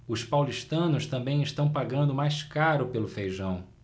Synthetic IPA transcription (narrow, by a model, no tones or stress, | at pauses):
ʊspawliʃt̪ɐ̃nʊst̪ɐ̃mbẽj̃ɪʃt̪ɐ̃w̃paɡɐ̃nd̪ʊmajskaɾʊpelʊfejʒɐ̃w̃